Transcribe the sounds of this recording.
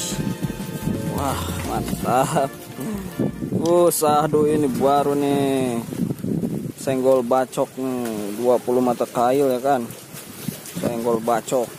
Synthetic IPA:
wahmant̪ap̚ | usahduinibuaɾuni | sɛŋɡɔlbat͡ʃɔk̚niduapuluhmat̪akailjakan | sa̰ŋɡɔlbat͡ʃɔk̚

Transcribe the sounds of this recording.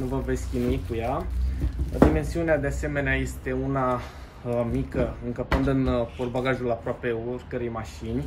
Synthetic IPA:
nuvəve̞skʲinuikuja | d̪ime̞nsiunead̪e̞ase̞me̞neaje̞st̪e̞una | mikəɨŋkəpɨnd̪ɨnporbaɡaʒulapɾoape̞orkəɾəjmaʃinʲ

